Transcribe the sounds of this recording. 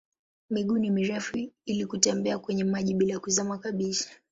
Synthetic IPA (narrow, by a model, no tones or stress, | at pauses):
miɠunimiɾɛfuilikutɛmbɛakwɛɲɛmaʄiɓilajakuzamakaɓisḁ